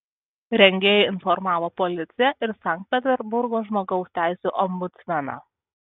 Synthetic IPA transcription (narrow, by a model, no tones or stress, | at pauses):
ɾʲɛŋʲɡʲeːjɛɪnfɔɾmɑːʋoːpɔlʲɪt̪sʲɪjɛʔɪɾsɑˑŋk̚t̪̚pʲɛt̪ʲɛɾbʊɾɡoːʒmoːɡɒʊsʲt̪ʲæˑɪsʲuːʔɔmbʊt̪sʲmʲɛnɑ̰ː